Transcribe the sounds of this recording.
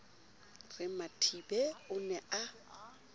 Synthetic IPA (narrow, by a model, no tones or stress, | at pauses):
rɪmatʰibɛʊnɛʔa